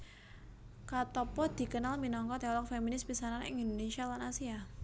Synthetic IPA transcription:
kat̪ɔpɔd̪̥i̤kənalminɔŋkɔt̪eɔlɔk̚feminɪspisananɪ̰ŋind̪onesialanasia

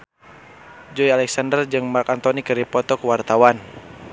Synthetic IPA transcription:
d͡ʒɔialɛksandərd͡ʒɨŋmarkant̪ɔnikɨɾipɔt̪ɔkwart̪awan

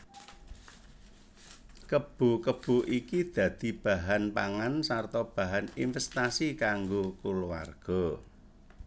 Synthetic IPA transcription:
kəb̥ṳkəb̥ṳʔikid̪̥ä̤d̪̥i̤b̥a̤ɦanpaŋansart̪ɔb̥ä̤ɦaninfɛst̪asikaŋɡokuluwa̰rɡ̥ɔ̤

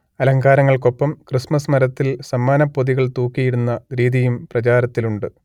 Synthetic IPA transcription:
ɐlɐŋɡaːɾɐŋːɐɭko̞pːɐmkrismɐsmɐɾɐt̪ːilsɐmːaːnɐpːo̞ðiɣɐɭt̪uːkːijiɽunːɐɾiːðijumprɐt͡ɕaːɾɐt̪ːiluɳɖɨ

